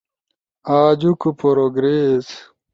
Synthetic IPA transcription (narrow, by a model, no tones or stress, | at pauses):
aːd͡ʑukupʰoɾoɡɾeːs